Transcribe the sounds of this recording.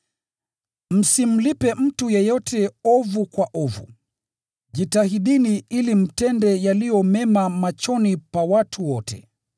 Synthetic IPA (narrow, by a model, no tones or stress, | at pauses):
m̩sim̩lipɛm̩tujɛjɔtɛɔvukwaʔɔvṵ | ʄitahiɗiniilim̩tɛndɛjalijɔmɛmamat͡ʃɔnipawatʰuwɔtɛ̰